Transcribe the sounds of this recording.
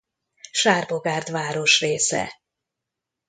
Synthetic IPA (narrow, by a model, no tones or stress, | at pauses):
ʃaːrboɡaːrd̪ʋaːɾo̞ʃreːsɛ̰